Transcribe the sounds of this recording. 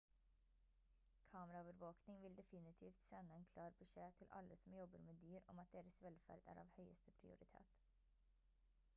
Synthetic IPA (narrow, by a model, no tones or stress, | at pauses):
kʰɑːməɾɑoːʋəɾʋoːknɪŋʋɪld̪ɛfɪnɪt̪ʰiːft̪sɛnːəɛːnkʰlɑːɾbəʂeːt̪ʰɪlʔɑ̰lːəsɔmjɔbəɾmeːd̪yːɾɔ̰mɑt̪̚d̪eːɾəsʋɛlfæ̰ːɾd̪æ̰ːɾɑ̰ːʋhœʏəst̪əpʰɾɪ̰ʊ̰ɾɪt̪ʰḛːt̪